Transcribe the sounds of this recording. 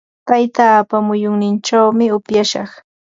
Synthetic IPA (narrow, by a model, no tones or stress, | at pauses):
t̪ajt̪apamʊjʊŋnɪnt͡ʃawmɪʊpjaʃɑ̰χ